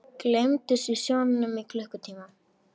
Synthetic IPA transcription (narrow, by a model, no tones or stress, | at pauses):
klemt̪ɪsisjonnəmiklœhkʏt̪ʰiːma